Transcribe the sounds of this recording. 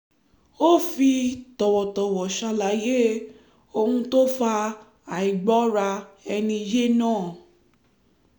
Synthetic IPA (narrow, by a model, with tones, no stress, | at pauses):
o˦fi˧tɔ˨wɔ˨tɔ˨wɔ˨ʃa˧la˨˦je˦ | o˧hũ˧to˦fa˧ | a˨i˨ɡ͡bɔ˨˦ɾa˧ɛ˧nĩ˧je˦nãː˦˨